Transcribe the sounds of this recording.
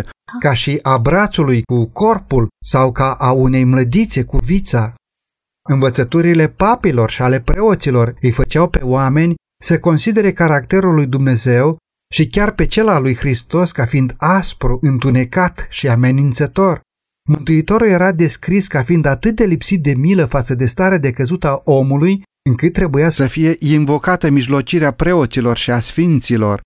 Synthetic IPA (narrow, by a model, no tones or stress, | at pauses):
kaʃiʔabɾat̪sulujkuko̞rpulsawkaʔaune̞jmləd̪it̪se̞kuvit̪sa | ɨnvət̪sət̪uɾile̞papilo̞rʃiale̞pɾe̞o̞t̪silo̞rɨjfət͡ʃawpe̞oame̞nʲ | səko̞nsid̪e̞ɾe̞kaɾakt̪e̞ɾulːujd̪umne̞ze̞w | ʃikʲarpe̞t͡ʃe̞lalujxɾist̪o̞skafind̪aspɾuʔɨnt̪une̞kat̪ʃiame̞nint̪sət̪o̞r | mɨnt̪uit̪o̞ɾulje̞ɾad̪e̞skɾiskafind̪at̪ɨt̪̚d̪e̞lipsit̪̚d̪e̞miləfat̪səd̪e̞st̪aɾead̪e̞kəzut̪əaʔo̞muluj | ɨŋkɨt̪̚ːɾe̞bujasəfije̞ʔinvo̞kat̪əmiʒlo̞t͡ʃiɾeapɾe̞o̞t̪silo̞rʃiasfint̪silo̞̰r